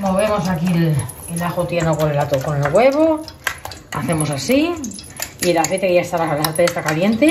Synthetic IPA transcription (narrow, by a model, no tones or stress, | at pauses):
mo̞β̞e̞mo̞sakil | elaxot̪jenokonelat̪okone̞lɣwe̞βo | a̰θe̞mo̞sasi | ielaθejt̪ekeʝaest̪aβaalaaɾt̪eest̪akalje̞nt̪e